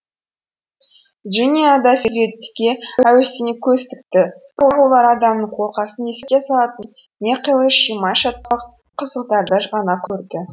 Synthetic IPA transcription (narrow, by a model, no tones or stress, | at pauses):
ʒinʲijad̪ɑseɾet̪ːɪ̥kʲe̞æwest̪ɪnekʲʰɵst̪ɪk̚t̪ɪ | olˠɑɾɑd̪ɑmnəɴqʰolˠqɑsənesʲesɑlˠɑt̪ən | nʲeqʰəjlˠəʃijmɑjʃɑt̪̚qɑ | qʰəzəqd̪ɑɾd̪ɑʒʁɑnɑkʲʰɵɾd̪ɪ